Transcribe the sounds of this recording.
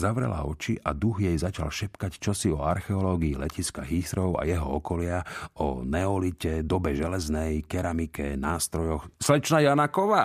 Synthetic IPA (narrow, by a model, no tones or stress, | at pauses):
zaʋɾɛ̰la̰ɔt͡ʃiʔad̪uɣjɛjzat͡ʃa̰lʃɛpkact͡ʃɔsiɔaɾxɛɔlɔːɡiːlɛciskaɦisɾɔʊa̰jɛɦɔɔkɔlɪaɔnɛɔlicɛd̪ɔbɛʒɛlɛznɛjkɛɾamikɛnaːst̪ɾɔjɔxslɛt͡ʃnajanakɔʋaː